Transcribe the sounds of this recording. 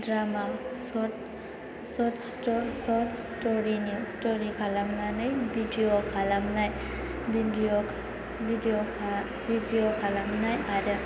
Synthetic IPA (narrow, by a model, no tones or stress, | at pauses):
dɾamasɔt | sɔtstɔsɔtstɔɾinistɔɾikʰalamnanɯjbʱidiokʰalamnaj | bidiɔ | bidiokʰ | bʱidiokʰalamnajaɾja